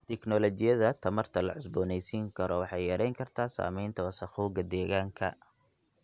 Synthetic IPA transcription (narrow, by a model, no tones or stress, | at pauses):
t̪ʰɛknɔlɔt͡ʃɪjɐðɐt̪ʰɐmɐrt̪ʰɐlɐ̰ʕʊsbɔːnɛjsiːŋkʰɐɾɔwɑħɑjjɐɾɛjŋkʰɐrt̪ʰaːsa̰ːmɛjnt̪ʰɐwɐsɐχuːɡɐd̪ɛːɣaːŋkʰɐ